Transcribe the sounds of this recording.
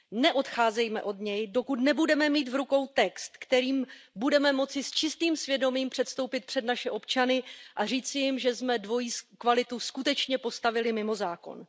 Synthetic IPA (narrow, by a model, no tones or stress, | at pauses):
nɛʔo̞t̪xaːzɛjmɛ̰ʔo̞dɲɛjdo̞kut̪nɛbudɛmɛmiːt̪vɾuko̞wt̪ɛkst̪kt̪ɛɾiːmbudɛmɛmo̞t͡sɪst͡ʃɪst̪iːmsvjɛdo̞miːmpr̝̥ɛt̪st̪o̞wpɪt̪̚pr̥ɛdnaʃɛʔo̞pt͡ʃanɪʔar̝iːt͡sɪjɪmʒɛzmɛdvo̞jiːskvalɪt̪uskut̪ɛt͡ʃɲɛpo̞st̪avɪlɪmɪmo̞zaːko̞̰n